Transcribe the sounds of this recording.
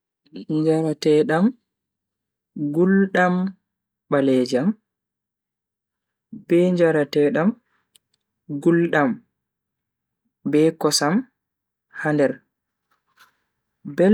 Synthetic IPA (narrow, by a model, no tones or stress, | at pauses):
ɲd͡ʒaɾatɛɗam | ɡulɗam | ɓalɛd͡ʒam | b̥ɛɲd͡ʒaɾatɛɗam | ɡulɗam | bɛkɔsam | handɛɾ | bɛ